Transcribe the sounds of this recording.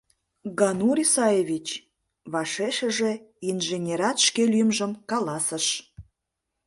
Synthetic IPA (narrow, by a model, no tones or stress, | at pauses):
ɡɑnuɾisɑjeβʲit͡ɕ | βɑʃeʃəʒe̽ | inʒenʲeɾɑt̪ʃkelyjəmʒəmkɑlɑsəʃ